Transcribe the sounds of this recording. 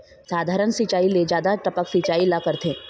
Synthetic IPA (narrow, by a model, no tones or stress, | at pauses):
saːd̪ʱaːɾənsit͡ʃaːiled͡ʒjaːd̪aʈəpəksit͡ʃaːilakəɾt̪ʰẽː